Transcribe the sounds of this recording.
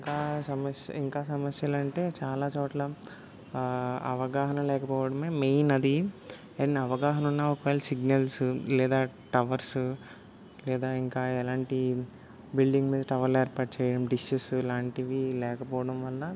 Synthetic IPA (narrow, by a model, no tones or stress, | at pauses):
ŋkaːsɐmɐsjɐ̰iŋkaːsɐmɐsjɐlɐɳʈe̞ːt͡ʃaːlaːt͡ʃoːʈlɐ | ɐ̰ʋɐɡaːɦɐnɐmlɛːkɐpɔːʋɐɽɐmeːmejnɐd̪i | enɐʋɐɡaːɦɐnunːaːɔkɐʋɛːlːɐsiɡnɐlsulɛːd̪aːʈɐʋɐɾsu | lɛːd̪aːiŋkaːɛlaːɳʈi | bilɖiŋɡmiːd̪ɐʈɐʋɐɾlɛːɾpaːʈt͡ʃɛːjɐɽɐmɖiʃusuɛlaːɳʈiʋilɛːkɐpɔːʋɐɽɐmʋɐlːɐ